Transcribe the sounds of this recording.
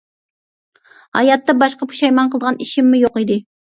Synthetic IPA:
hɑ̰jɑt̪ːɑbɑʃqɑpʰu̥ʃɑjmɑnqʰəlˠd̪ʁɑniʃimːɪjoqid̪ɪ

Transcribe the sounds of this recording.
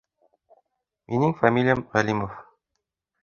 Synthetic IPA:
mʔinɘŋfamʲilʲijamʁælimof

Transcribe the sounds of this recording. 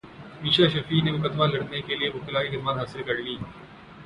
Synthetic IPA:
miːʃaʃɐfiːnemʊkəd̪malɐɽnekeliebʊkɪlaːikɐd̪maːnɦaːsɪlkɐɾliː

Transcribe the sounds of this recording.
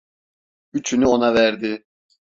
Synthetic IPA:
yt͡ʃʰynyo̞navæɾd̪ɪ

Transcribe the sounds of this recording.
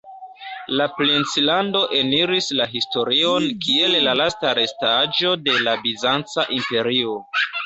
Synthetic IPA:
laplint͡silando̞ʔeniɾislaɦisto̞ɾio̞nkʰie̞llalastaɾe̞stad͡ʒo̞de̞labizant͡saʔimpe̞ɾio̞

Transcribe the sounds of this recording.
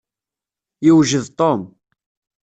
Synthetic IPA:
jiwʒəðt̪ˤom

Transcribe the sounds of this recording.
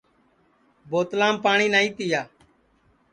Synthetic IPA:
boːt̪lãːmpaːɳiːnaːĩːt̪ɪjaː

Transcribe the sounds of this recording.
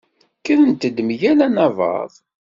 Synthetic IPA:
kəðənt̪əd̪mʝælænɑvɑ̰ðˤ

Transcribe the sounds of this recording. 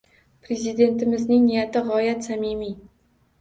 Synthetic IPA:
pɾe̞zɪd̪e̞nt̪ɪmɪznɪŋnɪjat̪ʰɪʁɒjat̪samimi

